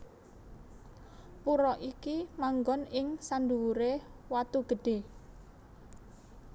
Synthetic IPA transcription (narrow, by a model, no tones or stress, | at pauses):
puɾɔʔikimaŋɡɔnɪŋsanduwuɾewat̪uɡ̥ə̤ɖ̥e̤